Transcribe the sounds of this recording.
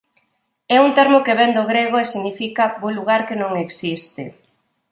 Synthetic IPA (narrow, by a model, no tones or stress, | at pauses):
ɛunt̪ɛɾmokeβɛnd̪oɣɾeɣ̞oesiɣnifikaboluɣaɾkenõŋeksist̪ḛ